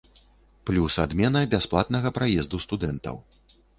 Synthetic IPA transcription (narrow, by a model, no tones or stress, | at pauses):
plʲusad̪mʲɛnɐbʲasplˠat̪nɐɣɐpɾajɛzd̪ust̪ud̪ɛnt̪ɐ̰w